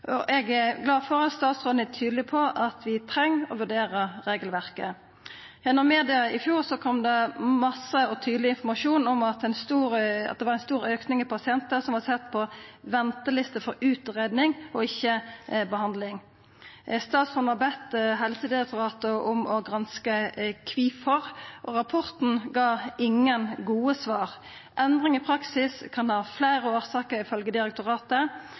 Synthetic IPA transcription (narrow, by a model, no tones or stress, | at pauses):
ɔʔɛɡɛɡlɑːfɔʁɑt̪st̪ɑːt̪sʁoːd̪ɛt̪ʰyːd̪lɪpʰɔʔɑt̪ʰʋɪt̪ʰɾɛŋːɔʋʉɖeːʁəɾeːɡəlʋæʁkə̰ | jɛnːɔmːeːd̪ɪɑɪfjuːʁsɔkʰɔmd̪ɛmɑsəɔt̪ʰyːd̪lɪɪnfɔʁmɑʂuːnɔmɑt̪ænst̪uːɾɑ̰t̪̚d̪ɛʋɑɾɛnst̪uːɾøːknɪŋɪpʰɑsɪɛnt̪əsɔmʋɑsɛt̪ːpʰɔʋɛnt̪əlɪst̪əfɔɾʉːt̪ʁeːd̪nɪŋɔɪçːəbəhɑnd̪lɪŋ | st̪ɑːt̪sɔnʋɑbɛt̪ɦɛlsəd̪ɪʁɛk̚t̪ʊʁɑːt̪əʔʊmɔɡɾɑnskəkʰʋiːfɔʁʔɔʁɑpʰɔʁt̪n̩ɡɑːɪŋːənɡuːəsʋɑːʁ | ʔɛnd̪ʁɪŋɪpʰɾɑksɪskʰɑnhɑːfleːʁəoːʁsɑːkəɾɪfœlɡəd̪ɪʁɛk̚t̪ʊʁɑːt̪ə